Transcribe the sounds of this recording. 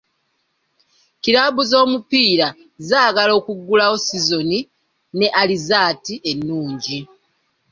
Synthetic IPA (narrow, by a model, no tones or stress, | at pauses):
kiɾaβuzo̞ːmupiːɾa | zaːɡalo̞ːkuɡːulaosizo̞ni | ne̞ʔalizaːtiʔenːuːɲɟi